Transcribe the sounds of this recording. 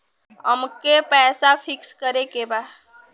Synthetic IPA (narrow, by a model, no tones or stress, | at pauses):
əmkepɛːsafʰɪkskəɾekeba